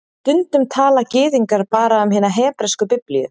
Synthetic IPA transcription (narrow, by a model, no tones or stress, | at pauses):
t̪ʏnt̪ʏmt̪ʰaːlacɪːðiŋkaɾ̥paːɾaʏmɦɪːnaɦɛːpɾɛskʏpɪplijʏ̰